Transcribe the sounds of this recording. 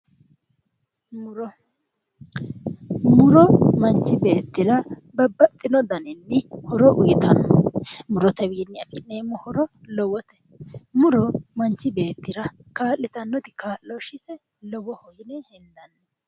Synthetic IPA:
mʊɾɔ | mʊɾɔmɐnt͡ʃːɪbe̞ːt̪ːɪɾɐ | bɐbːɐt̪ʼːɪnɔd̪ɐnɪnːɪhɔɾɔʔʊjɪt̪ɐnɔmʊɾɔt̪ɛwiːnːɪɐkʼɪnːeːmʊhɔɾɔ | lɔwɔt̪ɛ̥ | mʊɾɔmɐnt͡ʃːɪbe̞ːt̪ːɪɾɐkaːlːɪt̪ɐnːɔt̪ɪkaːlːɔʃɪsɛ | lɔwɔhɔjɪnɛhɛnd̪ɐnːɛ

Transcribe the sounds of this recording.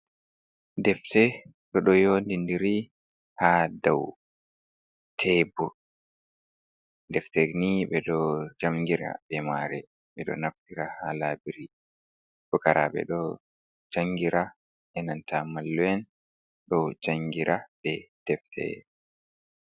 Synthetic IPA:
dɛftɛ | ɗɔɗɔjoːndindiɾi | hadaw | tʰɛbu | dɛftɛniɓɛɗɔd͡ʒamɡiɾa̰ɓɛmaɾɛ | ɓɛɗɔ̰naftiɾahalaːbiɾi | ɗɔkaɾaɓɛ̰ɗɔ | d͡ʒaŋɡiɾa | ʔɛnantamalːɔɛn | ɗɔd͡ʒaŋɡiɾʔaɓɛd̥ɛftʰɛ̰

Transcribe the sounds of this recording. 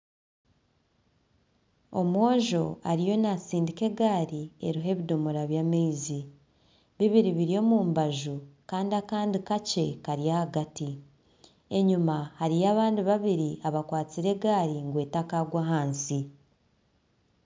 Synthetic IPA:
o̞mwo̞ːʒo̞aɾijo̞nat͡siːndike̞ɡaːɾie̞̰ɾuɦe̞βido̞moɾaβjameizi | βiβiɾiβiɾio̞muːmbaʒukaːndiakaːndikace̞kaɾijahaɡati | e̞ɲumahaɾijaβaːndiβaβiɾiaβakwaːt͡siɾe̞ɡaːɾiŋɡwe̞ːtakaɡwaɦaːnsi

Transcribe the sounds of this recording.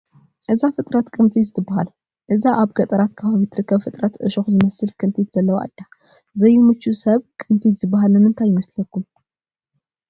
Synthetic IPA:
ʔɨzafɨt̪ʼɾət̪kʼɨnfizt̪ʼɨbahal | ʔɨzaʔaβɡət̪ʼəɾat̪kʰːəβaβit̪ʰɨɾɨkʰːəβfɨt̪ʼɾət̪ɨ̰ʃoxzɨməsɨlkʰɨnt̪ʰet̪z̥əlːəβʔa̰jːa | zəjumɨt͡ʃːusəβkʼɨnfizt̪ʼɨbaɦalːəmːɨnt̪ʰajɪməsləkːum

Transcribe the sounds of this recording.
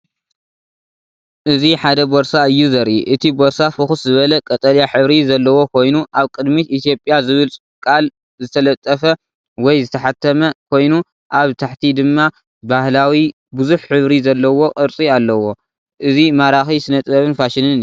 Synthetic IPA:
ʔɨziħad̪ɐboɾsaɨjːuzɐɾʔiʔɨt̪ʰiboɾsafɨxuszɨβɐlɐkʼɐt̪ʼɐljaħɨβɾizɐlːɐwo̞kʰo̞jnuʔaβkʼɨd̪mit̪it̪ʰjo̞pʼjazɨβɨlʼ | kʼal | zɨt̪ʰɐlɐt̪ʼːɐfɐ | wɔjzɨt̪ʰɐħat̪ʰɐmɐkʰo̞jnu | ʔaβt̪ʰaħt̪ʰid̪ɨmːa | bahlawi | bɨzuħħɨβɾizɐlːɐwo̞kʼɨɾt͡sʼialːɐwo̞ | ʔɨzimaɾaxisɨnɐt̪ʼβɐβɨnfaʃɪnɨn

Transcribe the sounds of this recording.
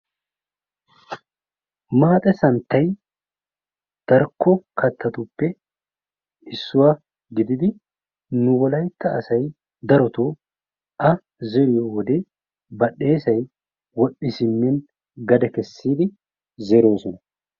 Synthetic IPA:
maːt̪ʼɛsɐnt̪ːɐj | d̪̥ɐɾkːɔkɐt̪ːɐt̪ʊpːɛ | ɪsːʊwa | ɡɪd̪ɪd̪ɪ | nʊwɔlɐjt̪ːɐɐsɐj | d̪ɐɾɔt̪oː | ʔɐ | zɛɾɪjowɔd̪eː | bɐɗːe̞ːsɐj | wɔɗːɪsɪmːɛn | ɡɐd̪ɛkɛsːiːd̪ɪ | zɛɾo̞ːsɔnɐ

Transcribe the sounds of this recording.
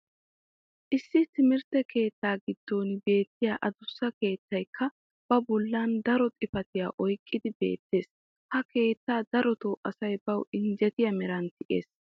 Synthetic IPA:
ʔɪsːɪt̪ɪmɪɾt̪ɛke̞ːt̪ːaːɡɪd̪̥ːo̞ːnbe̞ːt̪ːɪjaːʔɐd̪ʊsːɐke̞ːt̪ːɐjkːɐ | b̥ɐbɔlːɐnd̪ɐɾɔt̪ʼɪfɐt̪ɪja̰ːʔɔjkʼːɪd̪ɪbe̞̰ːt̪ːe̞ːs | hɐke̞ːt̪ːaːd̪ɐɾɔt̪oːʔʼɐsɐjbɐwɪnd͡ʒɛt̪ɪjɐmɛɾɐnt̪ɪʔe̞̰ːs

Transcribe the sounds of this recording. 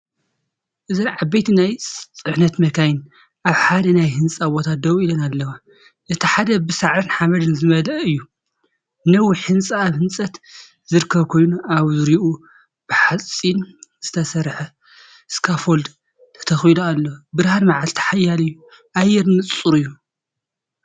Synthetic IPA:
ʔɨzɨnʕabejt̪ʰinajsʼɨħnɐt̪mɐkʰajɪn | ʔaβħad̪ɐnajhɨnt͡sʼabot̪ʰat̪̚d̪ɐwilɐnalːɐwa | ʔɨt̪ʰiħad̪ɐbɨsaʕɾɨnħamɐd̪ɨnzɨmɐlɐʔɨjːu | nɐwiħɨnt͡sʼaːβhɨnsʼɐt̪ | zɨɾɨkʰːɐβkʰo̞jnuaβzɨɾiʔu | b̥ɨħat͡sʼinz̥ɨt̪ʰɐsɐɾħɐ | ɨskʰafold̪ | t̪ʰɐ̥t̪ʰɐxwiloalːɐwbɨɾhanmaʕalt̪ʰɐ̥ħajalɨjːu | ʔajɛɾnɨt͡sʼːuɾɨjːu

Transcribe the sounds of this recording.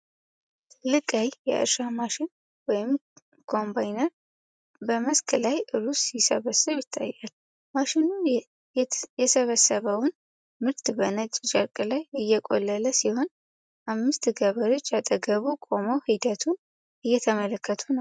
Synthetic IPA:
t̪ʰlɨkʼajjɛ̰ʔɨ̰ɾʃamaʃɪn | wɔjɪm | kʰo̞mbajnəɾ | bəməskʰəlajʔɨlusjɪsəβəsːɨβjɪt̪ʰːa̰jːal | maʃɪnu | jɛsəβəsːəβəwn | mɨɾt̪bənət͡ʃʼt͡ʃʼəkʼlajɨjːɛkʼo̞̰lːələsiho̞n | ʔamːɨst̪ɡəβəɾo̞t͡ʃːat̪ʼəɡəβukʼoməwhid̪ət̪ʰun | ʔɨjːɛt̪ʰəmələkʰːət̪ʰunəww

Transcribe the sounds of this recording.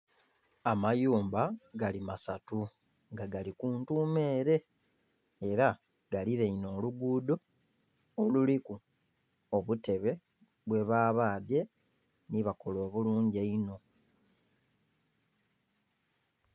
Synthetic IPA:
amajuːmbaɡalimasatu | ŋɡaɡalikuːntuːme̞ːɾe̞ː | ɾa | ɡ̥aliɾe̞ino̞ːluɡuːdo̞ː | luliku | oβute̞βe̞ | βwe̞βaːβaːde̞ | niβako̞lo̞ːβuluːɲɟeino̞

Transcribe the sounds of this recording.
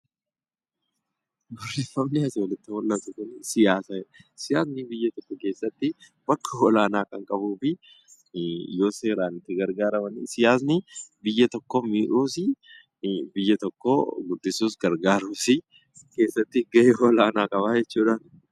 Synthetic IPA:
ɡ̪ʊrːɪfɐmnɪɐsoːlɪt̪ːɪwɔlːɐsʊkʊnsɪjaːsɐsɪjaːsnɪbɪjːɐt̪ɔkːɔke̞ːsːɐt̪ːɪ | bɐkːɐɔlaːnaːkɐŋkʼɐbuːfɪ | jo̞ːseːɾaːnɪt̪ːɪɡɐɾɡaːɾɐmɐnisɪjaːs̬nɪbɪjːɐt̪ɔkːomiːᶑuːsɪ | bɪjːɐt̪ɔkːo̰ɡʊd̪ːɪsuːsɡɐɾɡaːɾuːsɪ | ke̞ːsːɐt̪ːɪɡɐʔehɔlaːnaːkʼɐβaːd͡ʒɛt͡ʃːuːᶑaːn

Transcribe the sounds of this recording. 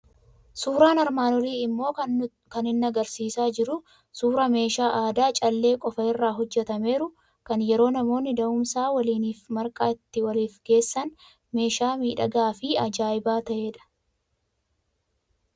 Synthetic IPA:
suːɾaːnɐɾmaːnɔliːɪmːo̞ː | kɐnɪnːɐɡɐɾsiːsaːd͡ʒɪɾʊ | suːɾɐme̞ːʃaːʔaːd̪aːt͡ʃʼɐlːe̞ːkʼɔfɐɪrːaːɦɔd͡ʒːɛt̪ɐme̞ːɾʊ | kɐnjɛɾo̞ːnɐmo̞ːnːɪd̪ɐʔʊmsaːwɐliːniːfmɐɾkʼaːɪt̪ːɪwɐliːfɡe̞ːsːɐn | me̞ːʃaːmiːᶑɐɡaːfɪɐd͡ʒaːjɪbaːt̪ɐʔeːᶑɐ̥

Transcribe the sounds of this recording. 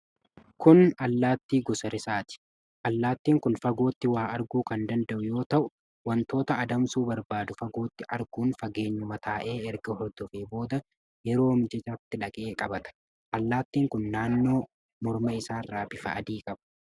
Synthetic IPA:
kʊnɐlːaːt̪ːiːɡɔsɐɾɪsaːt̪ɪ̥ | ʔɐlːaːt̪ːiːŋkʊnfɐɡo̞ːt̪ːɪwaːɐɾɡuːkɐnd̪ɐnd̪ɐʔʊjo̞ːt̪ɐʔʊ | wɐnt̪o̞ːt̪ɐɐd̪ɐmsuːbɐɾbaːd̪ʊfɐɡo̞ːt̪ːɪʔɐɾɡuːnfɐɡe̞ːɲːʊmɐt̪ʰaːʔeːɛɾɡɐhɔɾd̪ɔfeːbo̞ːd̪ɐ | jɛɾo̞ːmɪd͡ʒɛt͡ʃaːt̪ːɪᶑɐkʼe̞ːkʼɐbɐt̪ɐ̥ | ʔɐlːaːt̪ːiːŋkʊnːaːnːo̞ː | mɔɾmɐɪsaːrːaːbɪfɐ̰ʔɐ̰d̪iːkʼɐbɐ̥

